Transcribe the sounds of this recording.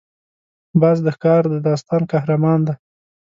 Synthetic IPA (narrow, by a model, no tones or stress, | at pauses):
baz̬d̪əxkɑɾd̪əd̪ɑst̪ɑnkahɾamɑnd̪a